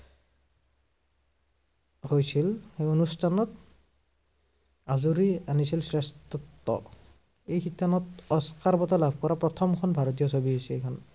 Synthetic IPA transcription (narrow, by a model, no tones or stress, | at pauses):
hojsilxejonustʰanɔt | azuɹianisilsɹɛst̪ɔtːɔ̰ | ejkʰitʰːanɔtɔskaɹbɔtalabʱkɔɹapɹɔt̪ʰɔmkʰɔnbʱaɹɔt̬ijɔsobiɦojsɛejkʰɔn